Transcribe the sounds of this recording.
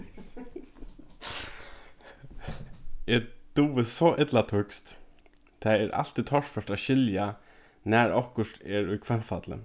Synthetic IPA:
ɛd̪̥uːʋəsɔʔɪt̪lat̪ʰʊkst̪ | t̪ʰɛɛɾʔa̰l̥t̪it̪ʰɔʂfœʂʈ̪aɕɪlja | næɹɔhkʊʂʈ̪ɛɹʊjkʰvɛnfat̪lə̰

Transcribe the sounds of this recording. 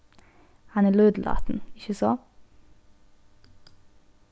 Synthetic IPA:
hɑnəlʉːd̪lʔɑ̰ːt̪n̩ɪçəsɔ

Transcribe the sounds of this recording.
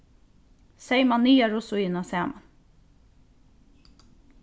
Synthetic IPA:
seɪmɑniːɑɾʊsʊinɑseːmɑn

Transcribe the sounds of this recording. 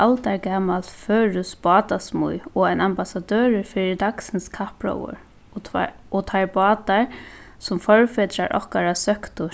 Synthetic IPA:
ʔalt̪aɹkaːmalt̪føːɾʏsbɑːt̪asmṵjɔajnambasad̪øːɾɪfɪːɾɪd̪aksɪnskʰahpɹɔ̰wʊ̰ɹ | ɔt̪ʰaɹbɑːt̪aɹ | sʊmfɔɹfɪt̪ɾaɹʔɔ̰hkaɾasœhkt̪ʊ

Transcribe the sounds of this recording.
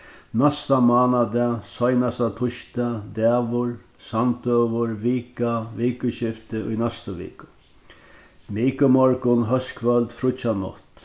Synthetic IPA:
nast̪amaːnad̪ɛsɔjnast̪at̪ʰʊʃt̪ad̪ɛːʋʊɹsant̪øːʋəɹʋiːkaʋiːkəɕɪft̪əʔʊ̰jnɛst̪əʋḭːkʊ̥ | miːkəmɔɹkʊnɦœskʰʋœlt̪fɾʊt͡ʃanɔ̰ht̪

